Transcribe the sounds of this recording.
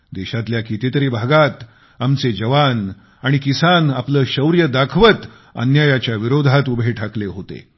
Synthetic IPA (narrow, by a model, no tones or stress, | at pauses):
d̪eɕat̪ljakit̪it̪əɾiːbʱaɡat̪ | amt͡sed͡ʑəʋan | aɽ̃ikisanapləːɕəwɾjəd̪akʰʋət̪ | ə̰njajat͡ɕjaʋiɾod̪ʱat̪ubʱeʈʰakleɦot̪ḛ